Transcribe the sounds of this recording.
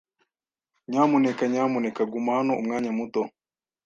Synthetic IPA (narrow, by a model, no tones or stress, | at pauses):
ɲamunɛkaɲamunɛkaɡumaanɔṵmŋaːɲamutɔ